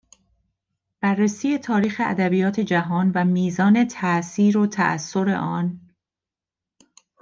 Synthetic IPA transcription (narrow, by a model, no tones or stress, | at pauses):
b̥ærːesiːje̞t̪ʰɒːɾiːxe̞ʔæ̰d̪æbijɒːt̪ʰe̞d͡ʒæɦɒːnvæmiːzɒːne̞t̪ʰæʔsiːɾot̪ʰæ̰ʔæ̰sːo̞ɾe̞̰ʔɒːn